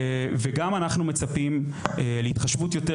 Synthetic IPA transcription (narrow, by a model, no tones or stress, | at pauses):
veɡamanaχnumet͡sapim | eleitχaʃvutjo̞te